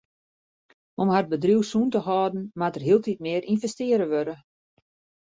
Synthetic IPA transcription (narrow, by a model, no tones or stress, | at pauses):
omɦar̚bədruwsuːntəɦɔːdn̩matərɦiəlˠtit̚mɪəɾʔinvɛstɪəɾəʋøɾə